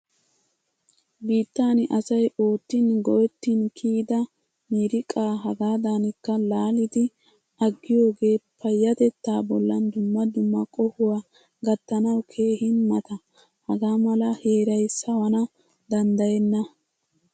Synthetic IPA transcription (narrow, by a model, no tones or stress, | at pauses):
biːt̪ːaːnɪʔɐsɐjʔo̞ːt̪ːinɡɔjɛt̪ːinkʰiːd̪ɐ | miːɾɪkʼaːɦɐɡaːd̪aːnɪkːɐlaːlɪd̪ɪ | ʔɐɡːɪjo̞ːɡe̞ːpʰɐjːɐt̪ɛt̪ːaːbɔlːɐnd̪ʊmːɐd̪ʊmːɐkʼɔhʊwaː | ɡɐt̪ːɐnɐwkʰe̞ːhɪnmɐt̪ɐ | hɐɡaːmɐlɐhe̞ːɾɐjsɐwɐnɐ | d̪ɐnd̪ɐjɛnːɐ